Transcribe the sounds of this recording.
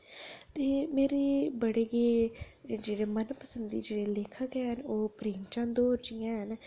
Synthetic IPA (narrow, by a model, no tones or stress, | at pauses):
t̪eːmeːɾeːbəɽeːɡeːd͡ʒeːɽeːmənpəsənd̪ḭːd͡ʒeːɽeːleːkʰəkɛɦənoːpɾeːŋt͡ʃãːnd̪oːɾd͡ʒɪjãːɦən